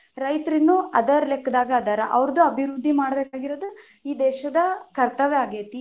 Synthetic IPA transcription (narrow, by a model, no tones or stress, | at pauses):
ɾɐjt̪ɐɾinːuɐd̪ɐɾɐlɛkːɐd̪aːɡɐːd̪ɐɾɐʔɐʋɾd̪uɐbʱiɾud̪ʱːimaːɽɐbeːkaːɡiɾoːd̪u | iːd̪ɛːʃɐd̪ɐkɐɾt̪ɐʋeaːɡeːt̪i